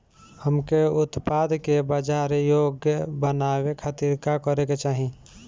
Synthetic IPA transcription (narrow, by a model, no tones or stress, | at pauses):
həmkeʊt̪pad̪kebəd͡ʒaɾjoɡjəbənawekʰət̪iɾkakəɾeket͡ʃaːɦi